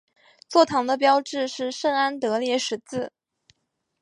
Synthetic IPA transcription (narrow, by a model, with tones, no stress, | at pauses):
t͡swɔ˥˩t̪ʰɑ˧˥ŋd̪ə˧p̬jɑ˥ʊʈ͡ʂɻ̩˥˧ʂɻ̩˥˩ʂə˥na˥nt̪ɤ˧˥ljɛ˧˥ʂɻ̩˧˥t͡sɹ̩˥˩